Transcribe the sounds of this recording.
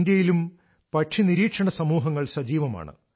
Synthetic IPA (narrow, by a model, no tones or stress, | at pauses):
nd̪jɐjilum | pɐʈʂʰiniɾiːkʂɐɳɐsɐmuːɦɐŋːɐɭsɐd͡ʑiːʋɐma̰ːɳɨ̰